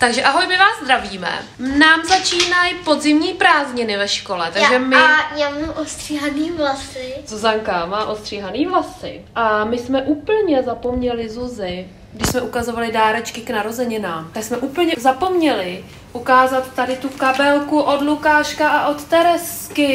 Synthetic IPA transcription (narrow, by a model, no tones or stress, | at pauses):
t̪aɡʒɛʔaɦo̞jmɪvaːzzd̪ɾaviːmɛ̰ | naːmzat͡ʃiːnajpo̞d̪zɪmɲiːpɾaːzɲɪnɪvɛʃko̞lɛt̪aɡʒɛmɪɲamnaʔost̪r̥iɦaniːvlasɪzuzaŋkamaːʔost̪r̥iːɦaniːvlasɪ̰ | ʔamɪsmɛʔuːpl̩ɲɛzapo̞mɲɛlɪzuzɪ | ɡdɪʃsmɛʔukazo̞valɪdaːɾɛt͡ʃkɪknaɾo̞zɛɲɪnaːmt̪aksmɛʔuːpl̩ɲɛzapo̞mɲɛlɪ | ʔukaːzat̪ːadɪt̪ukabɛlkuʔo̞dlukaːʃkaʔaʔo̞t̪t̪ɛɾɛskɪ